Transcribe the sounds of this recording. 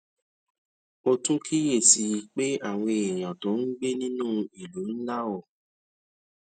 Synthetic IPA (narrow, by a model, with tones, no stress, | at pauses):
o˧tũ˦kʰi˦je˦˨si˧ji˧˦k͡pe˦a˦˨w̃ɔ̃˧e˨j̃ã˨to˨˦n̩˦ɡ͡be˦nĩ˦nũ˦i˨lo˨˦n̩˦la˦wɔ˦˨